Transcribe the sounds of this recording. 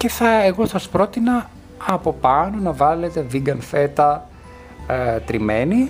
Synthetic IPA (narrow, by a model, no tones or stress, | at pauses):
ce̞θɐeɣo̞sɐspɾo̞t̪inɐ | ɐpo̞pɐno̞nɐvɐle̞t̪e̞viɡɐnfe̞t̪ɐ | t̪ɾime̞ni